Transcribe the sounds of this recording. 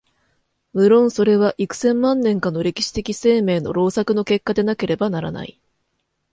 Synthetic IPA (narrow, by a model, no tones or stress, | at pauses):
mɯ̟ɾõ̞ɰ̃so̞ɾe̞βaʔikɯ̟̥sẽ̞mːãnːẽ̞ŋkanːo̞ɾe̞kʲi̥ɕi̥t̪e̞kʲise̞ːme̞ːno̞̰ɾo̞ːsakɯ̟no̞ke̞kːad̪e̞nake̞ɾe̞banaɾa̰na̰ḭ